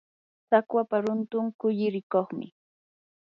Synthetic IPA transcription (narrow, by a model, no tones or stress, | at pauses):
sakwapaɾʊnt̪ʊŋkʊʎɪɾɪkoχmɪ̰